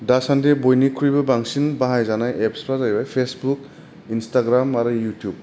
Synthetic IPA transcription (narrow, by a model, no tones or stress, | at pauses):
dasandebojnikʰuɾibɐbaŋsinbaɦajzanajepspɾazajbajpʰesbuk | instaɡɾamaɾɯjutjub̚